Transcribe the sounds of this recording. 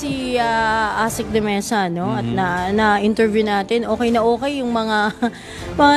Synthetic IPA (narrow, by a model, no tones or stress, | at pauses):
iaʔaːsɪk̚d̪ɛmɛnsɐno̞ɐt̪̚nɐnɐʔɪnt̪ɛɹvjunaːt̪ɛnʔo̞ːkɛjnɐʔoːkɛjːʊŋmɐŋa | mɐŋa